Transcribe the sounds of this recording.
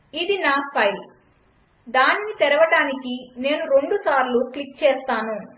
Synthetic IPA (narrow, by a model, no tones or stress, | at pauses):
id̪inaːpʰɐjl | d̪aːninit̪ɛɾɐʋɐʈaːnikine̞ːnuɾe̞ɳɖusaːɾluklik̚t͡ʃɛːst̪aːnu